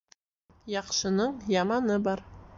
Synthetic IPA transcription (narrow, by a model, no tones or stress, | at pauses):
jɑqʃɤ̆nɤɴjɑmɑnɤbɑɾ